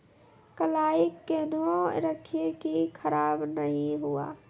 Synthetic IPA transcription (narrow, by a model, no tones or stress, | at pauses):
kəlaːikːenoɾəkʰekikʰəɾaːbnəɦĩɦua̰